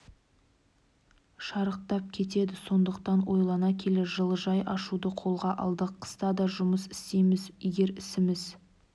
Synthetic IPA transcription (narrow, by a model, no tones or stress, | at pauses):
ʃɑɾəq̚t̪ɑp̚kʲʰe̞t̪e̞d̪ɪso̞nd̪əqt̪ɑnwo̞jlˠɑnɑkʲʰe̞lɪʒəlˠəʒɑjʔɑʃud̪əqʰo̞lˠʁɑʔɑ̰lˠd̪əqʰːə̥st̪ɑd̪ɑʒʊməsɪ̥st̪e̞jmɪzjeɡʲe̞ɾɪsɪmɪz